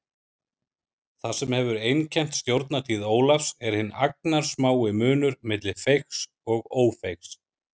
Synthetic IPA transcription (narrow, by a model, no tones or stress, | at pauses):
θasɛmhɛvʏɾejncʰɛn̥t̪st̪jowɾt̪nat̪ʰiːðoːwlafsɛɾ̥hɪnːa̰k̚naɾ̥smaːwɪmʏːnʏɾmɪt̪lɪfejxs | ɔɣoːwfejxs